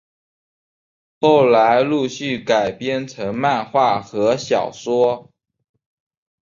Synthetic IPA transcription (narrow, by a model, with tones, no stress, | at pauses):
xo˥˩ʊla˧˥ɪlu˥˧ɕy˥˩ka˨˩ɪpjɛ˥˩nt͡sʰɤ˧˥ŋma˥˧nxwa˥˩xɤ˧˥ɕjɑ˨˩ʊʂwɔ˥